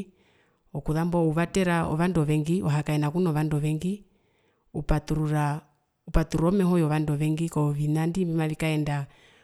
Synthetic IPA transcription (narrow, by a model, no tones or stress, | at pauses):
ɔkuðambɔuβatɛɾaɔ̰ʋandɔʋɛŋɡiʔɔɦakaɛnakunɔʋandɔʋɛŋɡi | upatuuɾa | upatuɾɔmɛɦɔjɔʋandɔʋɛŋɡikɔʋinandibimaʋikaɛnda